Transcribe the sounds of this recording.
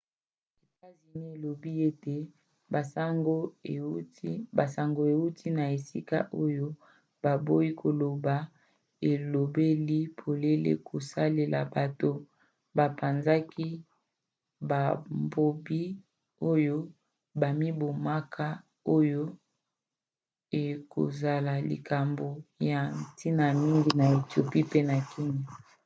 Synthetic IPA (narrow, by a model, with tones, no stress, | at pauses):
e˨ta˦zi˨ni˦e˨lo˨bi˦e˦te˨ | a˨sa˦ŋɡo˦˨˦ | ba˨sa˨ŋɡo˨e˨u˦tʰi˦na˨e˨si˦ka̰˦ʔo˦jo˦ | ba˨bo˦i˦kʰo˨lo˨ba˨ | e˨lo˨be˦li˦pʰo˨le˦lḛ˦kʰo˨sa˦le˨lʔa̰˨ba˨to˦ | ba˨pa˨nza˦ki˦ | ba˨mbo˨bi˦ | o˦jo˦ | ba˨mi˦bo˨ma˦kʰa˦ | o˦jo˦ | e˨ko̰˨za˨la˨lḭ˨ka˨mbo˨ja˨nti˦na˨mi˦ŋɡi˦na˨e˨tjo˨pi˦pe˦na˨ki˦ɲa˨